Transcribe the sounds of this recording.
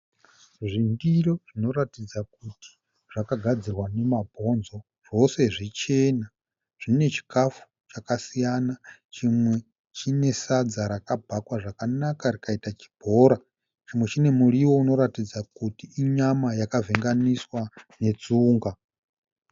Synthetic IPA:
ʐindiroʐ̥ino̞ɾatid͡zak̚utʰi̥ | ʐ̥akaɡʱad͡zirwane̞mabʱo̞nzo̞ | ʐ̥o̞se̞ʐit͡ʃe̞ːna | ʐ̥ine̞t͡ʃi̥kafu̥ | t͡ʃakasijanat͡ʃimwe | t͡ʃine̞sad͡zaɾakabʱakwaʐakanakarikaitat͡ʃi̥b̥ʱo̞ːɾa | t͡ʃimwe̞t͡ʃine̞muɾiwo̞uno̞ɾatid͡zakutiːɲamajakaveŋɡaniswane̞t͡suːŋɡa

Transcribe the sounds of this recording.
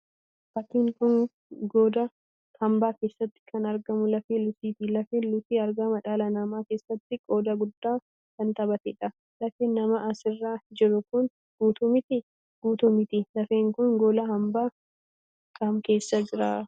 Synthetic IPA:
bɐt̪ːiːŋkʊn | ɡoːd̪ɐ | hɐmbaːke̞ːsːɐt̪ːɪ̥kʰɐnɐɾɡɐmʊlɐfeːlʊsiːt̪ɪlɐfeːlʊfiːɐɾɡɐmɐᶑaːlɐnɐmaːke̞ːsːɐt̪ːɪkʼo̞ːd̪ɐɡʊd̪ːaː | kɐnt̪ɐbɐt̪ɪᶑɐ | lɐfeːnɐmɐʔɐsɪrːaːd͡ʒɛɾʊkʊn | ɡ̥uːt̪ʊmɪt̪ɪ | ɡ̥uːt̪ʊmɪt̪ɪlɐfeːŋkʊnɡoːlahɐmbaː | kɐmke̞ːsːɐd͡ʒɪɾaː

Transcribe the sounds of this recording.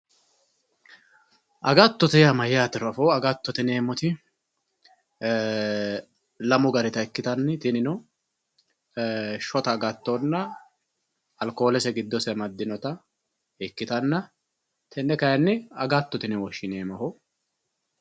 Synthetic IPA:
ʔɐɡɐt̪ːɔt̪ɛjɐmɐjaːt̪ɪɾɔfoːɐɡɐt̪ːɔt̪ɪne̞ːmɔt̪ɪ | lɐmʊɡɐɾɪt̪ɐɛkːɪt̪ɐnːɪt̪ɪnɪnɔ | ʃɔt̪ɐːɡɐt̪ːonːɐ | ɐlko̞ːlɛsɛɡɪd̪ːɔsɛmɐd̪ːɪnɔt̪ɐ | ɛkːɪt̪ɐnːɐ | t̪ʰɛnːɛkɐjɐnːɪɐɡɐt̪ːɔt̪ɪnɛwɔʃːɪneːmɐhɔ

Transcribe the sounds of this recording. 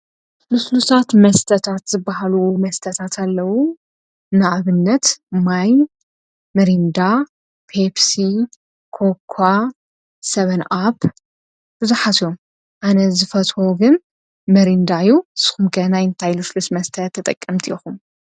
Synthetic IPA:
luslusat̪mɐst̪ʰɐt̪ʰat̪zɨbːaɦalumɐst̪ʰɐt̪ʰat̪ʰalːɐwu | naʔaβɨnːɐt̪majn | mɐɾind̪a | pʰepsi | kʰokʰːa | sɐβɐnʔap | bɨzuħat̪jom | ʔanɐzɨfɐt͡sʼoɡɨn | mɐɾind̪ajusɨ̥xumkʰɐnajɨnt̪ʰajluslusmɐst̪ʰɐt̪ʰːɐt̪ʼɐkʼːɐmt̪ʰixum

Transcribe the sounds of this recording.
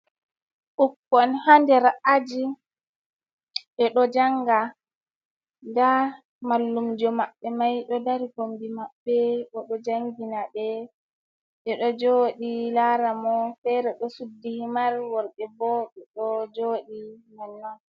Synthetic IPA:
ʔukːɔnhandɛɾaʔad͡ʒi | ʔɛɗɔd͡ʒaŋɡa | nda | malːumd͡ʒɔmaɓːɛmajɗɔdaɾikombimaɓːɛʔɔɗɔd͡ʒaŋɡinaɓɛ | ɓɛɗɔd͡ʒoɗilaɾamɔfɛɾɛɗɔsudːihimaɾwɔɾɗɛbɔɓɛɗɔd͡ʒoɗimanːɔn

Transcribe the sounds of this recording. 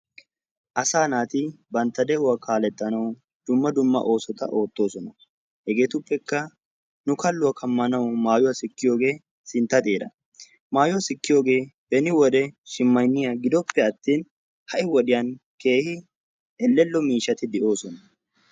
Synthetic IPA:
ʔɐsaːnaːt̪ɪbɐnt̪ːɐd̪ɛʔʊwakʰaːlɛt̪ʼːɐnɐw | d̪̥ʊmːɐd̪ʊmːɐ̰ʔo̞ːsɔt̪ɐ̰ʔo̞ːt̪ːo̞ːsɔnɐ | hɛɡe̞ːt̪ʊpːɛkːɐ | nʊkɐlːʊwɐkʰɐmːɐnɐwmaːjʊwɐsɪkːɪjo̞ːɡe̞ː | sɪnt̪ːɐt̪ʼeːd̪ɐ | maːjʊwɐsɪkːɪjo̞ːɡe̞ːb̥ɛnɪwɔd̪ɛʃɪmːɐjnːɪjaɡɪd̪ɔpːɛɐt̪ːiːn | hɐʔɪwɔɗɪjanke̞ːhɪ | ɛlːɛlːɔmiːʃɐt̪ɪd̪ɛʔo̞ːsɔnɐ

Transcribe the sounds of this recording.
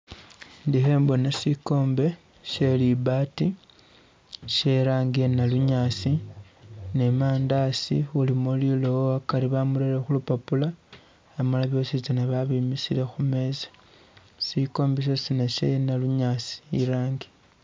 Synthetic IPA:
ndihe̞ːmbo̞nasiko̞ːmbe̞ | ʃe̞libati | ʃe̞ɾaːŋɡienaluɲaːsi | nemaːndasḭulimoliloakaɾiβamuɾeɾexulupapulaː | malaβjo̞ːsit͡ʃanaβaβimisile̞xume̞zḁ | siko̞ːmbes̬esinaʃḛnaluɲasi̥ḭɾaːŋɡi̥

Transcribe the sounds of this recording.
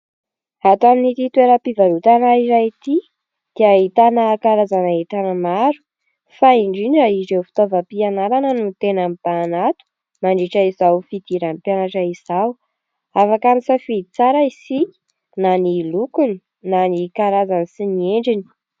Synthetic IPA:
at̪aminit̪it̪weɾəpivaɾut̪anaiɾajit̪i | d̪̥iaɦit̪anakaɾazanait̪anəmaɾu̥ | faiɳɖ͡ʐiniaizewfi̥t̪ovapianaɾanənut̪enamb̥aːnat̪u̥ | maɳɖ͡ʐiʈ͡ʂaizawfid̪̥iɾampjanaʈ͡ʂaiz̥aw | afakanisafiit͡saɾaisi̥ | nanilukuni̥ | nanikaɾazanisinieɳɖ͡ʐini̥

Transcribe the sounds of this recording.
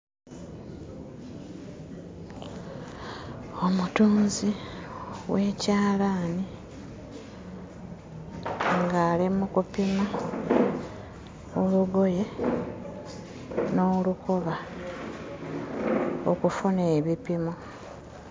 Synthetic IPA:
o̞mutuːnzi | we̞caːlaːni | ŋɡaːlimukupima | oluɡo̞je̞ | no̞ːlukoβa | okufuneːβipimo

